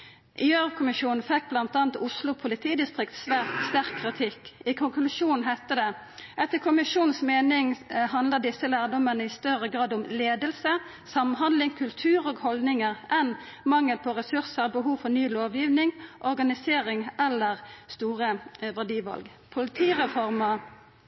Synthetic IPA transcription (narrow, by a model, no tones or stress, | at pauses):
ʔɪøːʁkʰʊmɪʃuːnn̩fɛk̚ːblɑnt̪ɑːnt̪ʊslʊpʰʊlɪt̪ʰiːd̪ɪst̪ʁɪkt̪sʋæːʁt̪st̪æʁkʰːʁɪt̪ʰɪkːɪkʰʊŋklʉʂuːn̩ɦæɪt̪əd̪ɛ | ʔɛt̪ːəkʰʊmɪʂuːnn̩smeːnɪŋhɑnd̪ləʁd̪ɪsːəlæːʁd̪ɔmːənəɪst̪œɾəɡʁɑːd̪ɔmleːd̪əlsə | sɑmɦɑnd̪lɪŋkʰʉlt̪ʰʉːɾoːɡhɔld̪nɪŋəʁʔɛn | mɑŋːəlpʰɔʁɛsʉʁsəʁbəɦuːʋfɔʁnyːloːʋjiːʋnɪŋʔɔʁɡɑnɪseːʁɪŋʔɛlːəʁst̪uːʁəʋæʁɖiːʋɑ̰lɡ | pʰʊlɪt̪ʰiːʁɛfɔʁmɑ